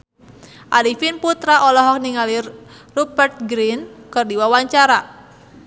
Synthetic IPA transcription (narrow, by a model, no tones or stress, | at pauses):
ʔaɾifinput̪ɾaʔɔlɔɦɔk̚niŋali | rubərt̪̚ɡɾinkərdiwawaɲt͡ʃaɾa